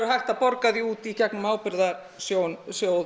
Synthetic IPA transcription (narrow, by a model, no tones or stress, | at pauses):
ɾʏɦajht̪apɔɾkaðiuːt̪icɛknʏmaːwpɪɾðaɾ | sjoːwnsjoːw